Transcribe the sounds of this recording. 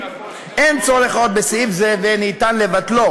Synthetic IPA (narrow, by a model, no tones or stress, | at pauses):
ʔent͡soleχaot̪̚besifzevenit̪anlevatlo̞